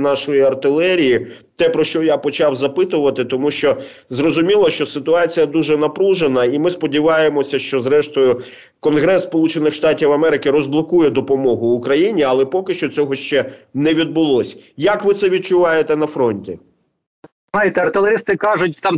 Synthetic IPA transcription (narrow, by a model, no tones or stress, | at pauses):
nɑʃɔjiɐrt̪ɪlˠɛɾʲiji | t̪ɛpɾɔʃt͡ʃɔjapɔt͡ʃɑwzɐpɪt̪ʊʋɐt̪ɪt̪ɔmuʃt͡ʃɔ | zrɔzʊmʲilˠɔʃt͡ʃɔsɪt̪ʊɑt͡sʲijɐd̪uʒɛnɐpɾuʒenɐimɪspɔdʲiʋɑjemɔsʲɐʃt͡ʃɔzɾɛʃt̪ɔjʊ | kɔnɦɾɛsspɔlˠut͡ʃenɪxʃt̪ɑtʲiwɐmɛɾɪkɪɾɔzblˠɔkujɛd̪ɔpɔmɔɦʊːkɾɐjinʲiɐlˠɛpɔkɪʃt͡ʃɔt͡sʲɔɦɔʃt͡ʃɛnɛʋʲid̪̚bʊlˠɔsʲjɐkʋɪt̪sɛʋʲid̪̚t͡ʃʊʋɑjet̪ɛn̪ɐfɾɔnʲtʲi | ajɪt̪ɛɐrt̪ɪlˠeɾʲist̪ɪkɑʒʊt̚ʲt̪ɑm